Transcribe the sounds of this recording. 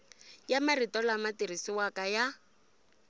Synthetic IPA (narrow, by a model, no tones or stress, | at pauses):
jamaritɔlamatirisiwakaja